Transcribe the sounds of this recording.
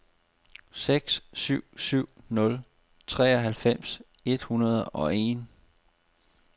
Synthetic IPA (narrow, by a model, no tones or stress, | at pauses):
seɡ̥ssyʊ̰syʊ̰nɔ̽l | t͡sʰʁɛ̰ːɒɦælfem̰s | e̝d̥hunɐðˠɒ̽e̝ːn